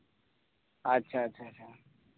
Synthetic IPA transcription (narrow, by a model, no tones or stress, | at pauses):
ətːʃʰaətːɕʰat͡ʃʰa